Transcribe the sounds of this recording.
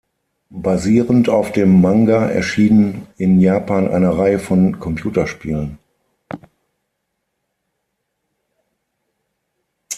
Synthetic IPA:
baziːʁəntaʊfd̥eːmːaŋɡaʔɛ̰ɐʃiːnənɪnjaːpaːnʔa̰ɪnəʁaɪəfɔnkʰɔmpʰjuːtɐʃpiːlən

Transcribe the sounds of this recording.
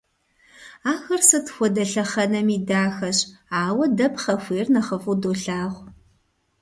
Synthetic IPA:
aːxɐrsɨtʰxʷɔdɐɬɐχɐnɐmiːdaːxɐɕaːwɐdɐpχɐxʷeːrnɐχəfudoːɬaːʁʷ

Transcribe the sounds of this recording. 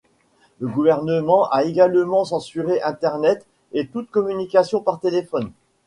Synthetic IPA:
ləɡuvɛʁnəmɑ̃ʔaeɡalmɑ̃sɑ̃syʁeʔɛ̃t̪ɛʁnɛt̪ | et̪ut̪kɔmynikasjɔ̃paʁt̪elefɔn

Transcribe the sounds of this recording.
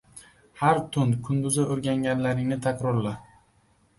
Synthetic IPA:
haɾt̪ʰʊnkʰʊnd̪ʊzaoɾɡʲaŋɡʲanlaɾɪŋnɪt̪ʰakʲɾɒɾlɪ

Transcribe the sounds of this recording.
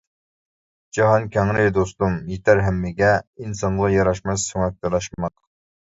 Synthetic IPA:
d͡ʒɑɦɑnkʲʰɛŋɾɪd̪ost̪umjet̪ʰæɾɦæmːɪɡʲɛinsɑnʁɑjɑɾɑʃmɛsøŋɛk̚t̪ɑɾlˠɑʃmɑq

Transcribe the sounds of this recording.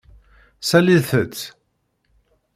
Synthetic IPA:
sæliðθət͡st͡sː

